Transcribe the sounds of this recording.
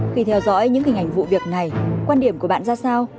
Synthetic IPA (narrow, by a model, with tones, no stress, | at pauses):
xi˧t̪ʰɛ˧wzɔ̰˧˥jɲɨ̰˧˥ŋhï˨˩ŋ̟ʔa˨˩ŋ̟vṵ˧˨vi˨˩ək̚na˨˩jkwaː˧nɗi˨˩əmku˧˩əɓa̰ː˧˨nzaː˧saː˧w